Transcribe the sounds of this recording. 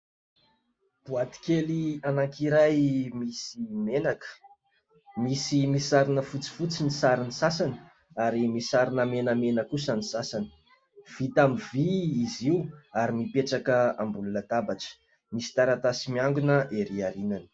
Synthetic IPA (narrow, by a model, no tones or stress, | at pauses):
b̥uat̪i̥kelianaŋkiɾajmisimenakə̥ | misimisaɾinəfut͡si̥fut͡sinisaɾinisasanə̥ | aɾimisaɾinəmenəmenəkusənisasanə̥ | v̥it̪amiviːziuaɾimipeʈ͡ʂakəambulunət̪abaʈ͡ʂə̥ | misi̥t̪aɾat̪asimiaŋɡunəʔeɾiaɾinanə̥